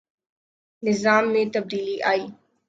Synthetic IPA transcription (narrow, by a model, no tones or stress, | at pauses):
nɪzaːmːẽt̪ɐb̚d̪iːliʔaːj